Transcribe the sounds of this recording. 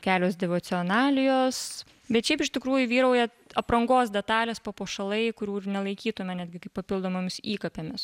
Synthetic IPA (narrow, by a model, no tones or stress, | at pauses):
kʲæːlʲoːsd̪ʲɛʋoːt͡s̪ʲɪonɑːlʲɪjoːs | bʲɛt̪ʃʲɛɪpɪʃt̪ʲɪkɾuːjʊʋʲiːɾɐʊjɛ | ɐpɾɐŋɡoːsd̪ʲɛt̪ɑːlʲeːspɐpoːʃɐlˠɐɪkʊɾʲuːɪrnʲɛlˠɐɪkʲiːt̪ʊmʲɛnʲæːd̪ɡʲɪkɐɪpɐpʲɪlˠd̪oːmomʲɪsiːkɐpʲemʲɪs